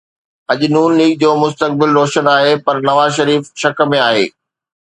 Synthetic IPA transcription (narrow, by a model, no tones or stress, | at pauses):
ɐʄnuːnliːk̚d͡ʑoːmʊst̪ək̚bɪlɾɔːʃənaːɦepɐɾnɐʋaːzʃɐɾiːfʃɐk̆mẽaːɦḛː